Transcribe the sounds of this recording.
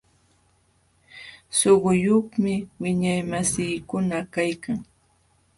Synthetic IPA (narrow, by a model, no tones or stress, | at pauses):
soɢʊjoχmɪwɪɲajmasɪːkʊnakajkaŋ